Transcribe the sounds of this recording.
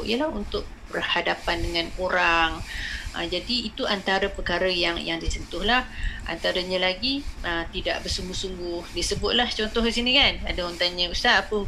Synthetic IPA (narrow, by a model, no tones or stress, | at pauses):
ʔḭjəlahunt̪ʊʔ̚bərhadapandəŋãnkoɾaŋʔə̰d͡ʒadiit̪uant̪aɾəpərkaɾəjaŋjaŋdisənt̪ʊhlahʔa̰nt̪aɾəɲəlaɡiət̪ida̰ʔbərsuŋɡʊhsuŋɡʊhdisəbʊt̪̚laht͡ʃɔnt̪ɔhɡisinikanadəont̪aɲəusaapə